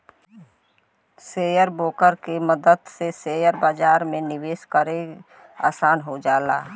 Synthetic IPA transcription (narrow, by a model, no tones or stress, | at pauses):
seːjəɾboːkəɾkeməd̪əd̪seseːjəɾbaːd͡ʒaːɾmẽnɪʋeːʃkəɾe | a̰ːsaːnɦod͡ʒaːla̰ː